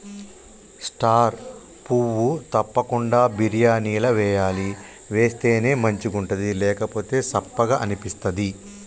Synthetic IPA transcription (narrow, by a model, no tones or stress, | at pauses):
sʈaːɾ | puʋut̪ɐpːɐkuɳɖaːbiɾijaːniːlɐʋɛːjaːli | ʋe̞ːst̪e̞ːne̞ːmɐɲt͡ʃiɡuɳʈɐd̪ilɛːkɐpo̞ːt̪e̞ːsɐpːɐɡaːʔɐnipist̪ɐd̪i